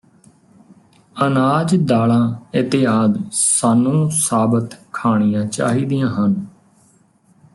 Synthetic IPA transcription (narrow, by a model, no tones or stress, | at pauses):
ənaːd͡ʒd̪aːlãːɪt̪eːaːd̪saːnːũːsaːbət̪kʰaːɳ̃ɪjãːt͡ʃa̰ːɦiːd̪ijãːɦən